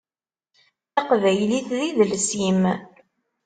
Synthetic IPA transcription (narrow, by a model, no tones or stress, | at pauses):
ɑqvæjliθðiðəlsim